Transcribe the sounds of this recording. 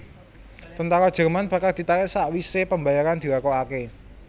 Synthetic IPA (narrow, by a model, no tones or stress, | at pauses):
t̪ənt̪aɾɔd̥ʒ̥ə̤rmanb̥a̤kard̥̪i̤t̪aɾɪʔsaʔwisepəmbajaɾand̪̥i̤ɾakɔake